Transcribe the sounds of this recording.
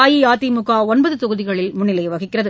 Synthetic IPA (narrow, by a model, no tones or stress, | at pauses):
aːjiaːt̪imʊɣaːɔnbɐðɯt̪ɔɣɯðɪɣɐɭɪlmʊnːɪlɐɪʋɐɣɪkːɪrɐðɯ